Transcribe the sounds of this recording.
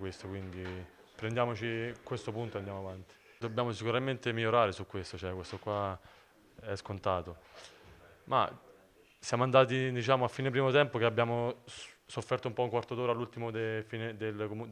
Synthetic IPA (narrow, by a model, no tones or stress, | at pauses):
kwest̪okwind̪i | pɾend̪jaːmot͡ʃikwest̪opunt̪oand̪jamoavant̪i̥ | d̪obːjaːmosikuɾament̪emiʎːoɾaːɾesukːwest̪ot͡ʃɛkwest̪okwa | ɛskont̪aːt̪o | ma̰ | sjaːmoand̪aːt̪id̪it͡ʃaːmoafːiːnep̬ɾiːmot̪ɛmpokeabjaːmosofːɛrt̪oumpɔuŋkwart̪od̪oːɾalːult̪imod̪efiːned̪elkm